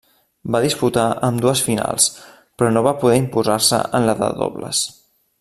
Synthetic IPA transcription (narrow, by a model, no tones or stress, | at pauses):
baðisput̪aəmd̪uəsfina̰lˠs | pɾɔnoβapuðɛimpuzaɾsə̰ənləðə̰ðo̰βlə̰s